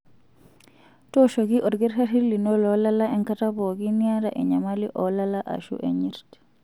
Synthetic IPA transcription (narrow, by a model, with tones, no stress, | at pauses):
tɔʃoɡiʔɔ˨ɾɡi˦ɾhati˦li˨nɔ˦lɔ˦lala˦ɛ˦ŋkatabo˨ɡiniaɾa˨ʔɛ˨ɲa˨malḭ˦ʔɔ˨lala˦ʔa̰˨ʃṵ˦ʔɛ̰ɲiɾti̥